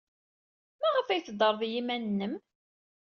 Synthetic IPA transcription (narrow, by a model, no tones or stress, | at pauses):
mæʁəfæjθəd̪ˤːəɾˤðjimænːəm